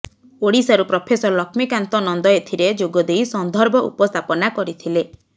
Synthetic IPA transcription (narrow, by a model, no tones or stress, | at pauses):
oɽisaɾupɾɔpʰesɔɾlɔkʰmikant̪ɔnɔnd̪ɔet̪ʰiɾed͡ʒoɡɔd̪ejsɔnd̪ʱɔɾbɔʔṵpɔst̪ʰapɔnakɔɾit̪ʰile